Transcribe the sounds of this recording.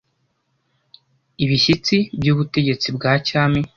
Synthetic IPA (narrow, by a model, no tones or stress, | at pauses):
iβiɕit͡sibɟuːβute̞ɟe̞t͡sibɡaːcaːmi